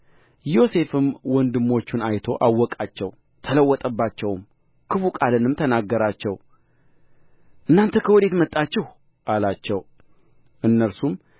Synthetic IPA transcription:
jo̞se̞fɨmwɔnd̪ɨmːo̞t͡ʃːɪnajt̪ʰo̞ʔawːɔkʼat͡ʃːɛw | t̪ʰələwːɔt̪ʼəbːat͡ʃːɛwm | kʰɨfukʼalɨnɨmt̪ʰənaɡːəɾat͡ʃːɛw | ʔɨnːant̪ʰəkʰəwɔd̪e̞t̪mət̪ʼːat͡ʃːɪh | ʔalat͡ʃːɛw | ʔɨnːəɾsum

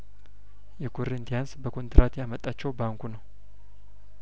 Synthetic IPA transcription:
jɛkʰo̞ɾint̪ʰijansbəkʰo̞nt̪ɨɾʔat̪jamət̪ʼːat͡ʃːɛwbaŋkʰunəw

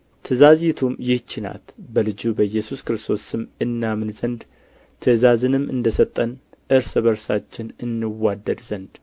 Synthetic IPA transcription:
t̪ʰəzazit̪ʰumjɪht͡ʃːɪna̰t̪bəlɨd͡ʒubəjɛsuskɾɨst̪ʰo̞sɨmɨnːamɨnzənd̪ | t̪ʰəzazɨnɨmɨ̰nd̪əsət̪ʼːənʔɨɾsɨβəɾsat͡ʃːɪnɨnːɨwad̪ːəd̪zənd̪

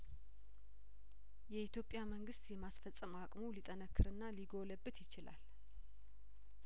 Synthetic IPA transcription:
jɛʔit̪jopʼːjaməŋɡɨst̪jɛmasfəsʼːəmakʼmolit̪ʼənəkʰːɨɾɨnːaliɡo̞ləbːɨt̪jɪt͡ʃɪla̰l

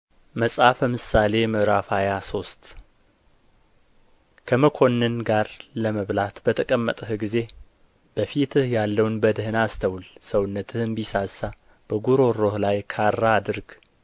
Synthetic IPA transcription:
məsʼafəmɨsale̞məɾafajaso̞st̪ | kʰəməkʰo̞nːɨnɡaɾləməβlat̪bət̪ʰəkʼəmːət̪ʼəhɡize̞ | b̥əfit̪ʰɨhjalːəwnbəd̪ɨhɨnast̪ʰəwlsəwʊnːət̪ʰɨhɨnbisasːa | b̥əɡuɾo̞ɾo̞hlajkʰarːaːd̪ɨɾɡ

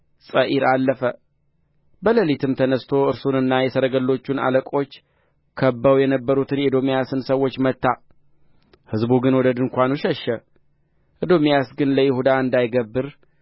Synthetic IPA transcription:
sʼəʔiɾalːəfə | bələlit̪ʰɨmt̪ʰənəst̪ʰo̞ɨɾsunɨnːajɛsəɾəɡəlːo̞t͡ʃːuna̰ləkʼo̞t͡ʃː | kʰəbːəwjɛnəbːəɾut̪ʰɨned̪o̞mijasɨnsəwːo̞t͡ʃːmət̪ːa | hɨzbuɡɨnwɔd̪əd̪ɨŋkʷanuʃɛʃːə | ʔɨd̪o̞mijasɡɨnləjɪhud̪aɨnd̪ajɡəbːɨɾ

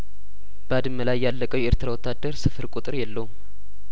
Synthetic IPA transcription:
b̥əad̪ɨmːəlajːalːəkʼəwʔeɾt̪ʰɨɾawɔt̪ːad̪ːəɾsɨfɨɾkʼut̪ʼɨɾjɛlːəwum

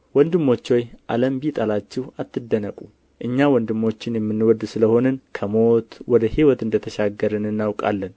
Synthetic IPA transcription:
wɔnd̪ɨmːo̞t͡ʃːo̞jʔa̰ləmbit̪ʼalat͡ʃːɛhat̪ːɨd̪ːənəkʼu | ʔɨɲːawɔnd̪ɨmːo̞t͡ʃːɪnjɛmːɨnːɨwɔd̪ːsɨləho̞nənkʰəmo̞t̪wɔd̪əhiwɔt̪ɨnd̪ət̪ʰəʃaɡəɾɨnɨnːawkʼa̰lːən

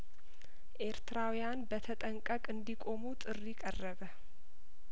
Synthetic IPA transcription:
ʔe̞ɾt̪ʰɨɾawjanbət̪ʰət̪ʼəŋkʼəkʼɨnd̪ikʼo̞mut̪ʼɨrːikʼərːəβə

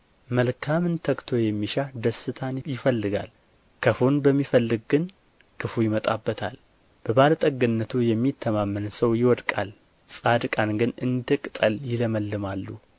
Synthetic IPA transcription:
məlkʰamɨnt̪ʰəkt̪ʰo̞jɛmːiʃad̪əsːɨt̪ʰanjɪfəlːɨɡa̰l | kʰəfonbəmːifəlːɨɡ̚ɡɨn | kʰɨfujɪmət̪ʼabːət̪ʰa̰l | b̥əbalət̪ʼəɡɨnːət̪ʰujɛmːit̪ʰːəmamːɨnsəwjɪwɔd̪kʼal | sʼad̪ɨkʼanɡɨnɨnd̪ɨkʼt̪ʼəljɪləməlːɨmalːu

